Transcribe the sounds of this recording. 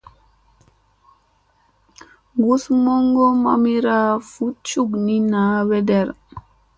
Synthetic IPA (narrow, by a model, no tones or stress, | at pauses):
ɡusmɔŋɡɔma̰miɾafut͡ʃuɡninaːwɛdɛɾ